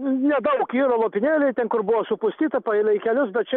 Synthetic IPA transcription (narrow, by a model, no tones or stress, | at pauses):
nʲɛd̪ɐʊkiːɾolˠoːpʲɪnʲeːlʲɛɪt̪ʲɛnkʊɾbʊʋoːsʊpʊsʲt̪ʲiːt̪ɐpɐɪlʲˠɐɪkʲɛlʲʊsbʲɛt̪̚t͡ʃʲɛ